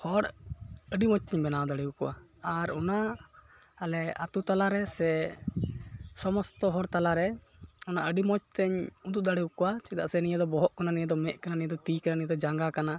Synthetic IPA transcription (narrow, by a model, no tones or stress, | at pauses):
hɔɽəɖimɔt͡ʃt̪ɛɲbɛnawd̪aɽɛukɔwa̰aɾɔna | alɛa̰t̪ut̪alaɾɛsɛ | sɔmɔst̪ɔɦɔɽt̪alaɾɛ | ɔnaʔəɖimɔt͡ʃt̪ɛɲud̪uʔ̚d̪aɽɛukɔwat͡ʃia̰ʔsɛnijad̪ɔbɔɦɔʔkananijɛd̪ɔmɛʔ̪kananijɛd̪ɔt̪ikananijɛd̪ɔd͡ʒaŋɡakana